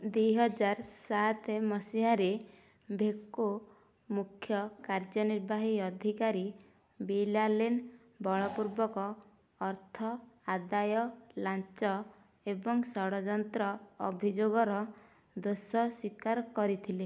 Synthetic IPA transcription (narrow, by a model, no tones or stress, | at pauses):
d̪wujɦɔd͡ʒaɾsat̪ʰemɔsiɦaɾe | bʱekːo | mukʰːjɔkaɾd͡ʒɔniɾbaɦiɔd̪ʱikaɾi | bilalen | bɔɭɔpuɾbɔkɔː | ɾt̪ʰɔad̪ajɔlat͡ʃɔ | ebɔŋsɔɽɔd͡ʒɔnt̪ɾɔɔbʱid͡ʒoɡɔɾɔ | d̪osɔswikaɾkɔɾit̪ʰile